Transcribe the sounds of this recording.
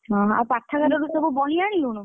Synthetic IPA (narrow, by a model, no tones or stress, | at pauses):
ɦɔ̃ɦapaʈʰːaɡaɾɔɾusɔbubɔɽ̃iaɽ̃iluɽ̃u